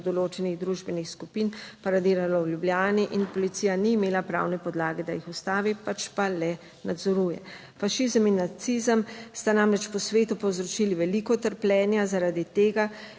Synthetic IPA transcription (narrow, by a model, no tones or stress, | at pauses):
d̪ɔloːt͡ʃɛniɣd̪ɾuʒbɛnixskupiːnpaɾad̪iːɾalɔwljubljaːniʔinpɔlit̪sijaniːmeːlapɾa̰ːwnɛpɔd̪laːɡɛd̪ajixust̪aːʋipat͡ʃpalɛ | nad̪zɔɾuːjɛ̰ | faʃizəminːat̪siːzəmst̪anamɾɛt͡ʃpɔsʋeːt̪upɔwzɾɔt͡ʃiːliʋɛlikɔt̪əɾplʲɛːnjazaɾaːd̪it̪eːɡa